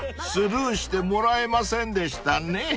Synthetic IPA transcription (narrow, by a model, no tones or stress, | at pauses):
sɨɾɯːɕi̥t̪e̞mo̞ɾaemasẽ̞nd̪e̞ɕi̥t̪ane